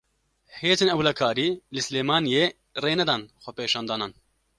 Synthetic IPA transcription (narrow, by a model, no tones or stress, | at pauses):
heːzeːnɛwlakʰaːɾiːlɨsɨleːmɑːnjeː | reːnɛd̪ɑːnxʷɛpeːʃɑːnd̪ɑːnɑːn